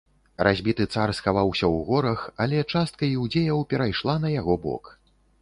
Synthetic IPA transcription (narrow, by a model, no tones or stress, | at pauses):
rʔazʲbʲit̪ɨt̪sarsxavawsʲɐwɣɔɾɐxalʲɛt͡ʂast̪̚kɐiwd͡zʲejɐwpʲɛɾajʂlˠanɐjaɣɔbɔ̰k